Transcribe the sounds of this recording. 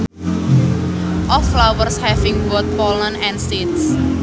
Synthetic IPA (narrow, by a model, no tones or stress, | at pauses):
ʔɔflawərshɛfɪŋwɔt̪̚pɔlə̃nɛ̃nsit̪s